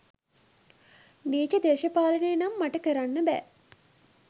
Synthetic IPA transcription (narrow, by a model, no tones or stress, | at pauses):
neːt͡ʃəd̪eːʃəpaːlənejːnamːaʈəkəɾanːəbɛ̰ː